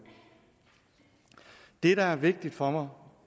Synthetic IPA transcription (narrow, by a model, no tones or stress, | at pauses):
d̥e̝ɾ̥ææɐʋe̝ɡ̥̚d̥id̥fɒ̽mɑ̈ɪ